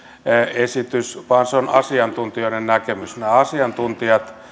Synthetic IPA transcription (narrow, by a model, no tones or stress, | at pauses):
esit̪ysʋɑnseonɑ̰siɑnt̪unt̪ioˑinennækemysneɑsiɑnt̪unt̪iɑt̪